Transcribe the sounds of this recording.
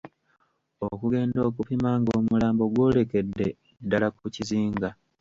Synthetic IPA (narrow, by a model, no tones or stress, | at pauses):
o̞kuɡe̞ːndo̞ːkupimaːŋɡoːmulaːmbo̞ɡwo̞ːle̞ke̞dːe̞ | dːalakuciziːŋɡa